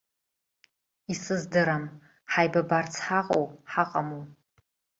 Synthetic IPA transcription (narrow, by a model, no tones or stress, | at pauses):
isɨzdɨɾam | ħajbabart͡sʰħaqʼo̰wħaqʼamo